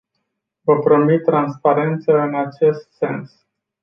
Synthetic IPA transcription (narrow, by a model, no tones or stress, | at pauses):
vəpɾo̞mit̪ːɾanspaɾe̞nt̪səɨnat͡ʃe̞st̪se̞ns